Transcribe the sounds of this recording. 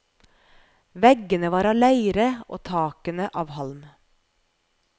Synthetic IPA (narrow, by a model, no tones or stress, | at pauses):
ʋɛɡənəʋɑːɾɑːʋlæɪɾəo̰ːt̪ʰɑːkənəʔɑːʋhɑlm